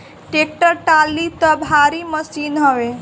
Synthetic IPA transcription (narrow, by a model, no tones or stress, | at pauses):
ʈek̚ʈəɾʈalːit̪ɔbʱaɾiməsinɦɔʋe